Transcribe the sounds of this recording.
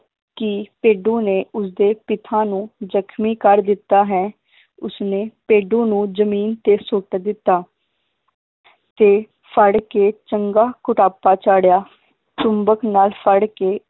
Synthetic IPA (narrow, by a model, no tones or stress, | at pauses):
kɪpeːɖũːneːʊsd̪eːpɪt̪ʰãːnũːd͡ʒəkʰmiːkəɾd̪ɪt̪ːaːɦɛː | ʊsneːpeːɖõːnũːd͡ʒəmiːnt̪eːsoːʈd̪ɪt̪ːaː | t̪eː | fʰəɽkeːt͡ʃəŋɡaːkʊʈaːpaːt͡ʃaːɽjaː | t͡ʃʊmbəknaːlpʰəɽkeː